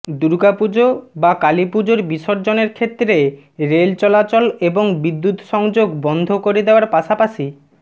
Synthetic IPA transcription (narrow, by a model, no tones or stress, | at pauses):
d̪uɾɡapud͡ʑobakalipud͡ʑoɾbiʃoɾd͡ʑoneɾkʰet̪ːɾe | ɾelt͡ɕɔlat͡ɕɔleboŋbid̪ːut̪ʃɔŋd͡ʑoɡbɔnd̪ʱokoɾed̪eoaɾpaʃapaʃi